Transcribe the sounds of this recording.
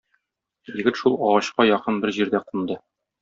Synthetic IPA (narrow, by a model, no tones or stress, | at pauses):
jɘ̆ɡɘt̪ʃulˠɒʁɑɕqɑjɒqɤnbɘɾʑiɾd̪æqund̪ɤ